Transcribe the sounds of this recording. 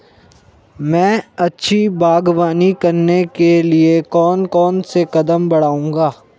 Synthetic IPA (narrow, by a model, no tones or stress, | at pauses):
mɛ̃ːɐtːʃʰibaːɡwaːnikɐɾnekeliekɔːnkɔːnsekɐd̪əmbɐɽaːũːŋɡaː